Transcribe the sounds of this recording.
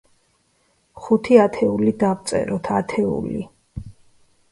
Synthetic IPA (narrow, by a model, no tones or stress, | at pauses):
χut̪ʰiat̪ʰɛulid̪avt̪sʼɛ̰ɾɔt̪ʰat̪ʰɛṵli